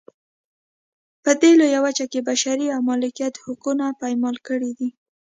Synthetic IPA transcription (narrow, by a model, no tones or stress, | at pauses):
pəd̪elojawat͡ʃakebaʃaɾiawmɑlɪkijat̪hʊkunapajmɑlkəɽid̪i